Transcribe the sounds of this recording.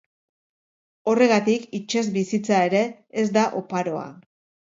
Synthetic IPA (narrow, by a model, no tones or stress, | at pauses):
o̞re̞ɣ̞at̪ikit͡ʃezbisit͡sae̞ɾe̞ːzd̪aʔo̞paɾo̞a̰